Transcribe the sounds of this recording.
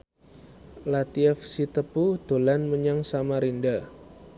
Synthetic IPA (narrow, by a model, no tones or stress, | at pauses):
lat̪iɛfsit̪əpud̪̥o̤lanməɲaŋsamaɾinda